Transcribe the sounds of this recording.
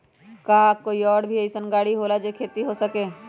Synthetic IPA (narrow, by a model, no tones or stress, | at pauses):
kakoːiɔːɽbʱieisənɡaːɽiɦoːlad͡ʒekʰeːt̪iɦosəkeː